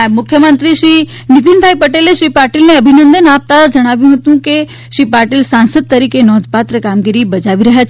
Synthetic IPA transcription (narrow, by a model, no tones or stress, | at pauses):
mʊkʰːjəmənt̪ɾiʃɾi | nit̪inbʱaipəʈeleʃɾipaɾʈilneəbʱinə̃nd̪ənap̚t̪ad͡ʒəɽ̃aʋjũɦət̪ũke | ʃɾipaɾʈilsansəd̪̚t̪əɾikenɔd̪ʱpat̪ɾəkamɡiɾibəd͡ʒaʋiɾəɦjat͡ʃʰ